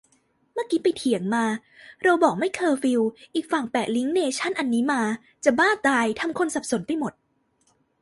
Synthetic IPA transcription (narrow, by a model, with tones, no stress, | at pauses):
mɯː˥˩˨kiː˦˥pa˧jt̪ʰi˨˩˦əŋmaː˧ | ɾa˧wbɔː˨˩k̚ma˥˩jkʰɤː˧fi˧wʔiː˨˩k̚fa˨˩ŋpɛː˨˩t̪̚li˦˥ŋneː˧t͡ɕʰa˦˥˩nʔa˧nːiː˦˥maː˧ | t͡ɕa˨˩baː˥˩t̪aː˧jt̪ʰa˧mkʰo˧nsa˨˩p̚so˨˩˦npa˧jmo˨˩t̪̚